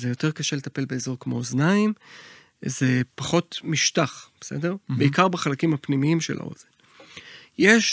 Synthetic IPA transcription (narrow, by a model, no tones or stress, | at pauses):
zejo̞t̪e̞ʁkaʃele̞t̪ape̞lbe̞ezo̞ʁkmo̞oznaim | zepaχo̞tmiʃtaχb̥esḛdeʁbeikaʁbaχalakimhapnimiimʃela̰o̰zen | jeʃ